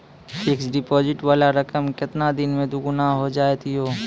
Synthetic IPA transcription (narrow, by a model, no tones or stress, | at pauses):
fɪksɖɪpɔːd͡ʒɪʈwaːlaɾɐkəmkɪt̪nad̪ɪnmẽd̪ʊɡʊnaɦod͡ʒaːt̪iɦoː